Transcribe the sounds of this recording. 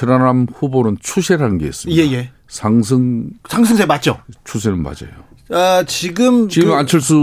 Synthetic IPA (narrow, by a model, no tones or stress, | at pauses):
tʰɯɾanamɸubonɯnt͡ɕʰusʰeɾanɡḛːs͈ɯmjjeje | sʰaŋsʰɯŋsʰaŋs̬ʰɯŋsʰemat̚t͡ɕ͈ot͡ɕʰus̬ʰenɯnma̰d͡ʑa̰jo | at͡ɕiɡɯmt͡ɕiɡɯant͡ɕʰɯɭs͈u